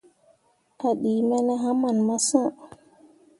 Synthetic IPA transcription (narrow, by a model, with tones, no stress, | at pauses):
ʔa˨ɗiː˨mɛ˦na˦ɦa˦ma˨nma˦sã˦˨